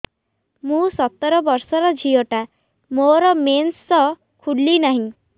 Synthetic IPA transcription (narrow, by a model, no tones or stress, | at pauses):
mũːsɔt̪ːɾɔbɔɾsɔɾɔd͡ʑʱijɔʈa | moɾɔmensːɔ | kʰuɽːinaɦĩ